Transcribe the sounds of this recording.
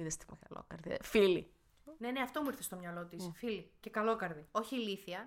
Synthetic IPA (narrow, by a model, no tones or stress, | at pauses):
iðest̪imeɣɐlo̰kɐɾðifili | ne̞ne̞ɐft̪o̞muiɾθe̞st̪o̞mɲɐlo̞t̪isfilice̞kɐlo̞kɐɾðio̞çiliθiɐ